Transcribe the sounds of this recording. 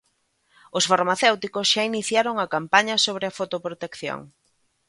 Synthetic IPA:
ʊsfaɾmaθewt̪ikosʃainiθjaɾoŋɐkampaɲɐsoβ̞ɾɪɐfot̪opɾot̪ekθjo̰ŋ

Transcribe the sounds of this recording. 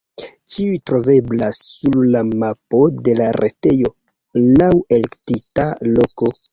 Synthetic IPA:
t͡ʃiujtɾo̞ve̞blasːullamapo̞de̞laɾʔete̞jo̞ | lawe̞le̞ktitalo̞ko̞

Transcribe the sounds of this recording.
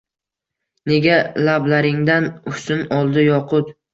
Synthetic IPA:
ne̞ɡʲalablaɾɪŋd̪anʊsɪnɒlˠd̪ɪjɒqʰʊt̪

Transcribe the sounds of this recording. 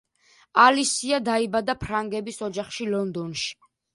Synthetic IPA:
alisiad̪aibad̪apʰɾaŋɡɛbisɔd͡ʒaχʃilɔnd̪ɔnʃi̥

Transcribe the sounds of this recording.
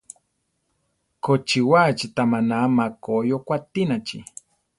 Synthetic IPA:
kot͡ʃiwat͡ʃit̪amanamakojokʷat̪inat͡ʃi

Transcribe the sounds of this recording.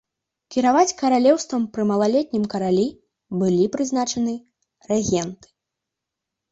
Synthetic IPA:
kʲiɾavat͡sʲkɐɾalʲɛwst̪vɐmpɾɨmɐlˠalʲɛt̪̚ʲnʲimkɐɾalʲi | bɨlʲipɾɨznat͡ʂɐnɨ | rɛɣʲɛnt̪ɨ̥

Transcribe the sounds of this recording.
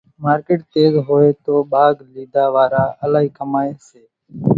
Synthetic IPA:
maːɾkeːʈt̪eːzɦoːeːt̪oːɓaːɡliːd̪aːʋaːɾaːʔəlaːɦiːkəmaːeːseː

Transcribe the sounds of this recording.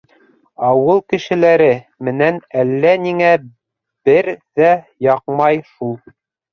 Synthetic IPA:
ɑwɤlˠkɘ̆ʃɘ̆læɾɘ | mɘ̆nænælːæniŋæ | b̥ɘɾðæ | jɑqmɑjʃulˠ

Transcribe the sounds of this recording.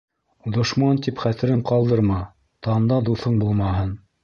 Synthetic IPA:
d̪ŏʃmɑnt̪ipχæt̪ɘ̆ɾɘɴqɑlˠd̪ɤɾmɑ | t̪ɑnd̪ɑd̪uθɤɴbulˠmɑɦɤn

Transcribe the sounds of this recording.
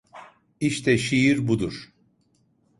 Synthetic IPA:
iʃt̪ʰɛʃijiɾbud̪uɾ̥

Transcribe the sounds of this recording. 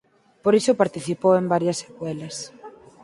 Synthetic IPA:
poɾisopaɾt̪iθipowembaɾjɐsːe̥kwɛlɐs

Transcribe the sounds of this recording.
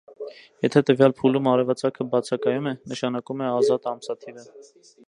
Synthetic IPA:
jɛt̪ʰɛt̪əvjɑlpʰulumɑɾɛvɑt͡sɑkʰəbɑt͡sʰɑkɑjumɛnəʃɑnɑkumɛɑzɑt̪ɑmsɑt̪ʰiɾə

